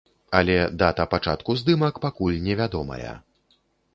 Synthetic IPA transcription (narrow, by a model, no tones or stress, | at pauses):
ɐlʲɛd̪at̪ɐpat͡ʂat̪kuzd̪ɨmɐkpakulʲnʲɛvʲad̪ɔmɐ̰jɐ̰